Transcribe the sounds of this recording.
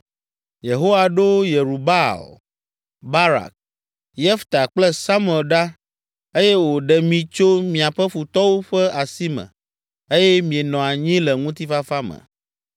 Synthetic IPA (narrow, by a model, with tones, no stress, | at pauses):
je˨ɦo˦wa˨ɖo˦je˨ɾu˨ba̰˦˨l | ba˦ɾa̰˨k̚ | jɛ˦ft̪a˨k͡plɛ˦sa˦m˦˨ɛ˨lɖa˦ | e˦jɛ˦wo˨ɖɛ˨mĩ˨t͡ʃo˦mĩ˨a˨ɸɛ˦ɸu˨t̪ɔ˦wo˦ɸɛ˦a˨si˦mɛ̰̃˨ | e˦jɛ˦mĩ˨e˨nɔ̃˨a˨ɲĩ˦lɛ˨ŋũ˦t̪i˦fa˦fa˦mə̰˨